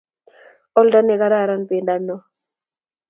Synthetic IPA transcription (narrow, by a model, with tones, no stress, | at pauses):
ɔ˦lda˦nɛ˨ka˦ɾa˦˨ɾa˦npi˨nda˦nːɔ˦